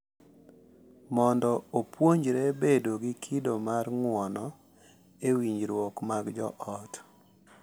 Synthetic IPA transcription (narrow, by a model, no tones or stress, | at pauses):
mɔndɔopwoɲd͡ʒɾɛbedoɡɪkʰɪdomarŋwɔnɔ | ewiɲd͡ʒɾwɔkmaɡd͡ʒɔ̰ʔɔt